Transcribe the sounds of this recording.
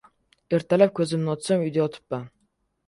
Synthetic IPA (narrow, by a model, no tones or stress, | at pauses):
eɾt̪ʰælæp̚kʲʰøzɪmnɪɔt̪sɔmyjd̪eɔt̪ʰɨ̥pːa